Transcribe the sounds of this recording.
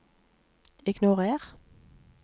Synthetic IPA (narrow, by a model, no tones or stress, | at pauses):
ɪɡnʊʁeːʁ